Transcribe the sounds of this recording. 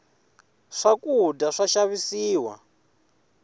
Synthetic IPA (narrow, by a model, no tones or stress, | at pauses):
ʂakudaʂaʃaβisiːwa̰